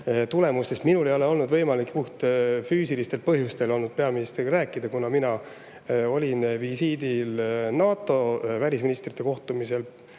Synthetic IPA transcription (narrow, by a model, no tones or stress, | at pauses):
t̪ule̞must̪esminule̞jo̞le̞o̞lnud̪vɤjmɑlikːpuht̪fyːsilist̪e̞lpɤɦjust̪e̞lo̞lnud̪̥̚pe̞ɑminist̪ɾiɡræːkːˑid̪ɑkunɑminɑ | o̞lʲinvisiːd̪ilnɑːt̪ːˑo̞vælʲisminʲist̪rit̪ːˑe̞ko̞ht̪umise̞l